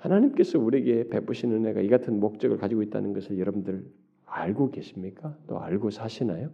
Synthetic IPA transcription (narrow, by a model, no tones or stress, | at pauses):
hanaɲimk͈e̞sʰʌuɾieɡe̞pe̞p͈ɯɕʰinɯne̞ɡa̰iɡatʰɯnmok̚t͡ɕ͈ʌɡɯɭkad͡ʑiɡoit̚t͈a̰nɯnɡʌsʰɯɭjʌɾʌbundɯɾ | aɭɡoɡe̞ɕʰimɲik͈at͈o̰a̰ɭɡosʰaɕʰinajo